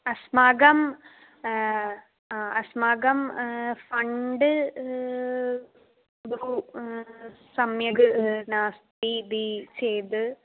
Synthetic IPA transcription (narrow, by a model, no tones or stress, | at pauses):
ɐsmaːɡɐm | aːɐsmaːɡɐmfɐɳɖɨ | u | sɐmjɐɣɨnaːst̪id̪it͡ɕejd̪ɨ